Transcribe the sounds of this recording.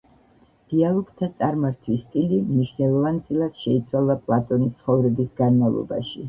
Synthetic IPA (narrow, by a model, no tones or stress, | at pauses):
d̪̥ialˠɔɡt̪ʰat̪sʼaɾmaɾt̪ʰwist̪ʼilimniʃnɛlˠɔvant̪sʼilˠad̪̥ʃɛit̪sʰwalˠapʼlˠat̪ʼɔnist̪sʰχɔvɾɛbisɡanmavlˠɔ̰ba̰ʃi